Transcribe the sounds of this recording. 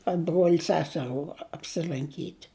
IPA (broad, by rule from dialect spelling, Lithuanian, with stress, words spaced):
ɐ ˈbruɔlʲ ˈsʲæːsʲɛruː ɐpʲsʲɪlˠɐŋʲˈkʲiːtʲ